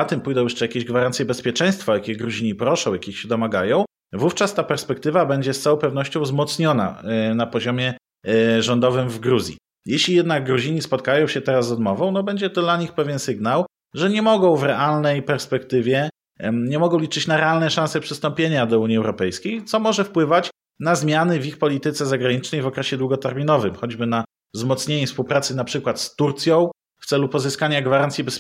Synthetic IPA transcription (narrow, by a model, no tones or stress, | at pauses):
at̪ɘmpujd̪ɔ̃w̃jɛʂt͡ʂɛjakʲeʑɡvaɾansʲjɛbɛspʲjɛt͡ʂɛj̃st̪fajakʲɛɡɾuʑiɲipɾɔʂɔ̃w̃jakʲixɕɛd̪ɔmaɡajɔ̃w̃ | vuft͡ʂast̪apɛɾspɛk̚t̪ɘvabɛɲd͡ʑɛst̪sawɔ̃w̃pɛvn̪ɔɕt͡ɕɔ̃w̃zmɔt̪sɲɔna̰napɔʑɔmʲjɛ | ʐɔnd̪ɔvɘmvɡɾuzʲjḭ | jɛɕlʲijɛd̪naɡɡɾuʑiɲispɔt̪̚kajɔ̃w̃ɕɛt̪ɛɾazːɔd̪mɔvɔ̃w̃nɔbɛɲd͡ʑɛt̪ɔd̪laɲixpɛvʲjɛnsɘɡnaw | ʐɛɲɛmɔɡɔ̃w̃vɾɛʔalnɛjpɛɾspɛkt̪ɘvʲjɛ | ɲɛmɔɡɔ̃w̃lʲit͡ʂɘt͡ɕnaɾɛalnɛʂãnsɛpʂɘst̪ɔmpʲjeɲad̪ɔuɲiɛwɾɔpɛjskʲejt̪sɔmɔʐɛfpwɘvat͡ɕ | nazmʲjanɘvʲixpɔlʲit̪ɘt̪sɛzaɡɾaɲit͡ʂnɛjvɔkɾɛɕɛd̪wuɡɔt̪ɛɾmʲinɔvɘmxɔd͡ʑbɘna | vzmɔt̪sɲeɲɛfspuwpɾat̪sɘnapʂɘkwat̪st̪uɾt̪sʲjɔ̃w̃ | ft̪sɛlupɔzɘskaɲaɡvaɾant̪sʲjibɛs